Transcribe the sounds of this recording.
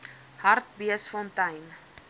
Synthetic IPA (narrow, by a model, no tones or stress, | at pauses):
hɐrtbiəsfɔntɐjn